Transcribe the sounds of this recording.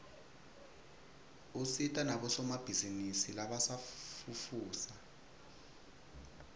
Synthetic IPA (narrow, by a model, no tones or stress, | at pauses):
usitʼanaɓɔsɔmab̥ʱizinisilaɓasafufuːsa